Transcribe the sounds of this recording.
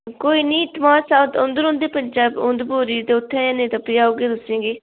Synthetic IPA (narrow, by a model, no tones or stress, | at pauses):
koːiːnĩːt̪maːsaːd̪ʊ̃nd̪əɾõːnd̪eːpəɲd͡ʒaːbʊ̃nd̪boːɾiːd̪eːʊt̪ʰːɛ̃ːẽːnẽːt̪apɪjaːoːɡeːd̪ʊsĩːɡeː